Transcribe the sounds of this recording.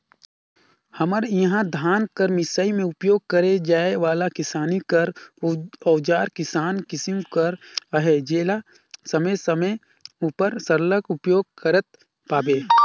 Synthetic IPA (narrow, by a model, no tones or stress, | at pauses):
hɐməɾjɐɦãd̪ʱaːnkəɾmɪsaːimẽʊpjoːɡ̚kəɾed͡ʒaːeʋaːlakɪsaːnikəɾ | ɔːd͡ʒaːɾkɪsaːnkɪsɪmkəɾɦed͡ʒeːla | sɐməjsəmə | upəɾsəɾləkʊpjoːɡ̚kəɾət̪̚ | paːbeː